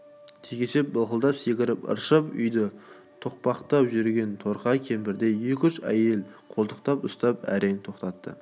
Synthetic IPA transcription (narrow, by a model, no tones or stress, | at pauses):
t̪ʰekʲeʃep̚bəlˠqəlˠd̪ɑpse̞kʲɪɾɪpə̰ɾʃəpʏ̰jd̪ə | t̪ʰo̞q̚pɑqt̪ɑpʒʏɾɡʲe̞nt̪ʰo̞ɾqɑkʲʰe̞mbɪɾd̪e̞jekʲʏʃæ̰je̞lqʰo̞lˠt̪əqt̪ɑpʊst̪ɑpæ̰ɾe̞ŋt̪ʰoqt̪ɑt̪ːə̰